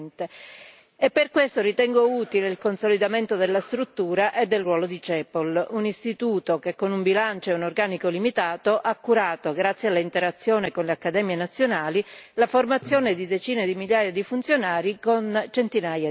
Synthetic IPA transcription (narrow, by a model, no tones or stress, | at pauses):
nt̪e | epːerkwest̪oɾit̪ɛŋɡouːt̪ileilkonsolid̪ament̪od̪elːast̪ɾut̪ːuːɾaʔed̪ːelrwɔːlod̪it͡ʃɛpolunist̪it̪uːt̪okekːonumbilant͡ʃoɛunorɡaːnikolimit̪aːt̪oʔakːuɾaːt̪oɡɾat̪sːjalːaint̪eɾat̪sːjoːnekonleakːad̪ɛːmjenat̪sːjonaːlilaformat̪sːjoːned̪id̪et͡ʃiːned̪imiljaːjad̪ifunt̪sjonaːɾikont͡ʃent̪inaːja